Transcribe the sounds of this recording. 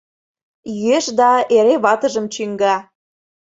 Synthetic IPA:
jyeʃd̪ɑeɾeβɑt̪əʒə̆mt͡ɕyŋɡɑ

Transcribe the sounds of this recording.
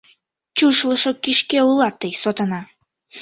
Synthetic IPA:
t͡ɕuʃlə̆ʃokiʃkeulˠɑt̪ːəjsot̪ɤ̆nɑ

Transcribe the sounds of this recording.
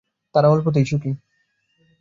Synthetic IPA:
t̪aɾaolp̬ot̪ejʃuki

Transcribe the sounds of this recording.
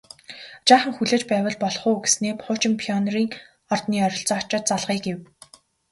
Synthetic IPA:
t͡ɕaːχə̆ŋxuɮeːt͡ɕpæːwə̆ɮpɔɮχʊːɡe̥sneːpʰʊːt͡ɕɪ̆mpʰiɔnriːŋ | ɔrt̪niːɔɾʲɞ̆ɬt͡sɔːɔt͡ɕɔːt̪̚t͡saɮʁiːɡew

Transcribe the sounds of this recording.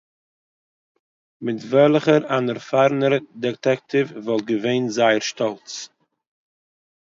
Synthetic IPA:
mɪtvɛlˠχəɾanəɾfaɾnəɾdɛtɛk̚tɪvvɔlˠt̚ɡəveɪnzaɪəɾʃtɔlˠt͡s

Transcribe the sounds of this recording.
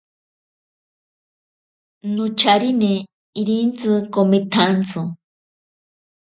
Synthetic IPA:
nut͡ʃʰaɾine | iɾint͡sɨkomit̪ʰant͡so

